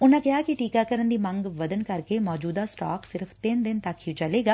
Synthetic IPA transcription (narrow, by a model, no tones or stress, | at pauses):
ʊnãkɪɦaːkiʈiːkakəɾənd̪iːmɐ̃ŋɡʋɐd̪ənkɐɾkemɔːd͡ʒuːd̪asʈa̰ːksɪɾəfʰt̪ɪnd̪ɪnt̪ɐkːit͡ʃɐleːɡaː